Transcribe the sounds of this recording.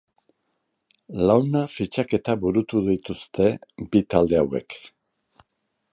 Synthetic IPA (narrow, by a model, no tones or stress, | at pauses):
lawnafit͡ʃake̞t̪aβuɾut̪uðit̪ust̪e̞bit̪ald̪e̞awe̞̰k